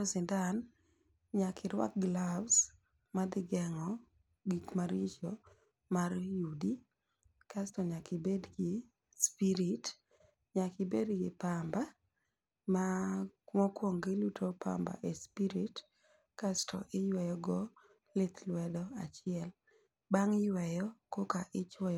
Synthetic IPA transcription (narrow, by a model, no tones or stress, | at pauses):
sɪndan | ɲakʰɪɾwa̰k̚ɡlabs | mad̪ɪɡɛŋɔ | ɡikmaɾit͡ʃo | marjudi | kastɔɲakɪbedɡɪ | spiɾit | ɲakɪbedɡɪpamba | ma | mɔkwoŋɡɪlutʰopa̰mba̰ʔespiɾit | kastʰɔ̰ʔɪjwɛjɔɡɔ | lɪt̪lwɛdɔat͡ʃɪɛl | baŋɪjwɛjɔkokaʔɪt͡ʃɛj